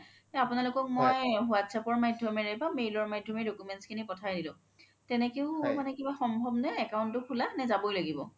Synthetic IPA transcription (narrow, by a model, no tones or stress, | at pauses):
ɛapunalʊkɔk̚mojɦuatsʰapɔɹmajdʱjɔmɛɹɛbamejlɔɹmajdʱɔmedokumɛntskʰinipɔtʰajdilʊ̃ | tɛnɛkeʊmanɛkibaxɔmbʱɔbnɛːkaʊntʊkʰulanɛzabojlaɡibɔ